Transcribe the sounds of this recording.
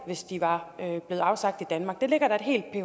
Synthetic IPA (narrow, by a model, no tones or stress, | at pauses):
ʋe̝sd̥iʋɑ̈øb̥le̝ːð̩ˠɑ̈ʊsɑ̈ɡ̥̚d̥id̥ænmɑ̈ːɡ̥̚d̥e̝leɡ̥ɐɾ̥ɑ̈e̝d̥ɦe̝̰ːld̥̚pʰe